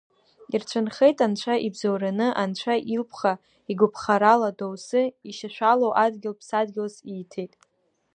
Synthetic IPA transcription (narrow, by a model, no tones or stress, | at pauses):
irt͡ʃʷʰɨnχe̞jtʼant͡ʃʷʰaʔibzowɾanɨʔant͡ʃʷʰaʔilpʰχa | iɡʷʊpʰχaɾaladowsɨiʃaʃʷalowʔadɡʲɪlpʰsadɡʲɪlsiːtʰejtʼ